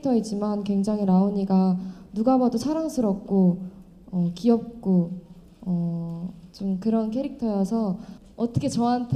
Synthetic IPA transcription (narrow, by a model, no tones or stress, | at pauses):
tʰʌed͡ʑimankwe̞ŋd͡ʑaŋɦinaoɲiɡanuɡabadot͡ɕʰaɾaŋsʰɯɾʌp̚k͈o | ʌkiʌp̚k͈o | ʌ | t͡ɕomkɯɾʌnkʰe̞ɾik̚tʰʌjʌsʰʌ | ʌt͈ʌkʰet͡ɕʌɦantʰ